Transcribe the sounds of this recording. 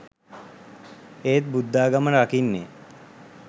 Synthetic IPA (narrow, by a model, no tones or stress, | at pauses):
eːt̪̚bud̪ːaːɡamənakinːeː